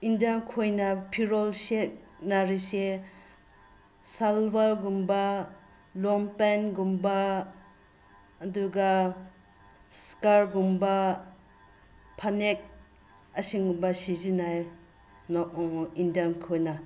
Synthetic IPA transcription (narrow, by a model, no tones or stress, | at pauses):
indankʰojnapʰiɾolsek̚naɾise | salbaɾɡumba | lɔmpenɡumba | duɡa | skaɾɡumba | pʰanek̚ | ɐsiŋɡumbasizinaj | nɔindankʰojna